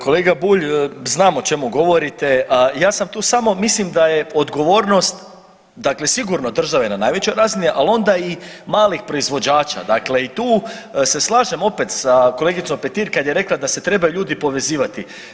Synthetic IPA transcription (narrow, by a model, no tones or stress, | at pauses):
ko̞leːɡabuːʎznaːmo̞t͡ʃe̞muɡo̞ʋo̞ɾit̪e̞jaːsamt̪uːsamo̞mislimd̪ajeo̞d̪ɡo̞ʋoːɾnost̪ | d̪akle̞siɡuɾno̞d̪r̩ʒaʋenanaːjʋe̞t͡ɕojɾaːziniʔalo̞nd̪ai | maːlixpɾo̞izʋo̞d͡ʑaːt͡ʃa̰d̪akle̞it̪uːse̞slˠaːʒemo̞pe̞t̪sakole̞ɡit̪so̞mpe̞t̪iːɾkad̪je̞ɾe̞klˠad̪ase̞t̪ɾe̞bajuʎuːd̪ipo̞ʋe̞ziːʋat̪i